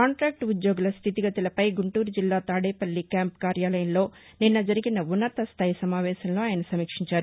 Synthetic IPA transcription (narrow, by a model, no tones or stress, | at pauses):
kaːɳʈɾaːk̚ʈud̪jo̞ːɡulɐst̪ʰit̪iɡɐt̪ɐlɐpɐjɡuɳʈuːɾud͡ʒilːaːt̪aːɽeːpɐlːikjaːmpkaːɾjaːlɐjɐmlo̞ː | ninːɐd͡ʒɐɾiɡinɐunːɐt̪ɐst̪ʰaːjsɐmaːʋɛːʃɐnloːaːjɐnɐsɐmiːkʂiɲt͡ʃaːɾu